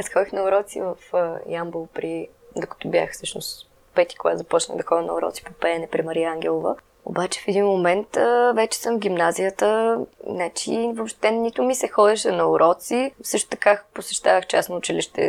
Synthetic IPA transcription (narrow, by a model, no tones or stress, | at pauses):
ɐsxɔd̪ixnɐoɾɔt̪sḭvəfjambolˠpɾi | d̪okɐ̥t̪ɔbja̰xsɤʃnʊs | pɛt̪i̥koɡat̪zɐpɔt͡ʃnə̰ɣd̪ɐxɔd̪ʲənɐoɾɔ̰t̪si̥popɛnɛpɾimɐɾiaŋɡʲɛlˠovə̰ | o̰bat͡ʃɛ̥fɛd̪inmomɛnt̪əvɛt͡ʃɛ̥sɤmvɡʲimnazijət̪ənat͡ʃivopʃt̪ɛnit̪ʊmisɛxɔd̪ɛʃɛnɐoɾʔɔt̪sifsɤʃt̪ʊ̥t̪ɐ̥kaposɛʃt̪avəxt͡ʃa̰snoːt͡ʃiliʃt̪ɛ̰